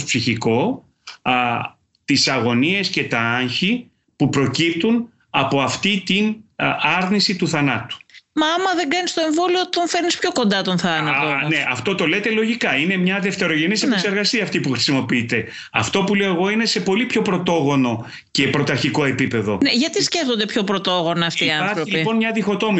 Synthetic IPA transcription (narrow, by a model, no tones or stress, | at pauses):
psiçiko̞ | t̪isɐɣo̞nie̞sce̞t̪ɐɐɲçi | pupɾo̞cip̚t̪un | ɐpo̞ɐft̪it̪inɐɾnisit̪uθɐnɐt̪u̥mɐɐmɐðeŋɡɐnist̪o̞e̞ɱvo̞liot̪onfe̞ɾnispço̞ko̞nd̪ɐt̪o̞nθɐnɐt̪oneʔɐft̪ot̪o̞le̞t̪e̞lo̞ʝikɐine̞mɲɐðe̞ft̪e̞ɾo̞ʝe̞nisepekseɾɣɐsiɐːft̪ipuxɾi̥simo̞piit̪e̞ | ɐ̰ft̪o̞pule̞oeɣo̞ine̞se̞po̞lipço̞pɾo̞t̪o̞ɣo̞no̞ | ce̞pɾo̞t̪ɐɾçiko̞e̞pipe̞ðo̞neʝɐt̪isce̞ft̪ond̪e̞pço̞pɾot̪o̞ɣo̞nɐːft̪iiːɐɐɾɾilipo̞nmɲɐðixo̞t̪o̞mi